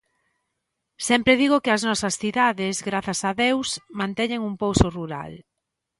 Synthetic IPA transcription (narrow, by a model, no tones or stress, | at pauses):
sɛmpɾɪðiɣokɪɐznɔsɐsθiðaðɪzɣɾaθɐsɐðewsmãnt̪ɛɲeŋuŋpowsʊruɾa̰l